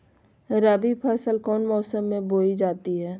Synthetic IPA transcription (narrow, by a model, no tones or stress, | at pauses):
ɾaːbipʰɛːsəlkɔːnmɔːsəmːẽboːid͡ʒaːt̪iɦɛː